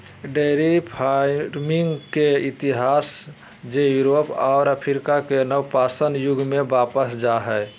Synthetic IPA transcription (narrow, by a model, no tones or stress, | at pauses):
ɖeɾipʰaɾmiŋɡkeit̪iɦaːs | d͡ʒejuɾopɔːɾəpʰiɾkakenəwpasənjʊɡʱmebapəsd͡ʒaɦɛe